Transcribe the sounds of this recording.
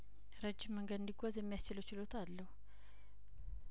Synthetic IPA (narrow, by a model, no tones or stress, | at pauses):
ɾəd͡ʒːɪmːəŋɡəd̪ɨnd̪iɡʷozjɛmːijast͡ʃɪləwt͡ʃɪlo̞t̪ʰalːəhu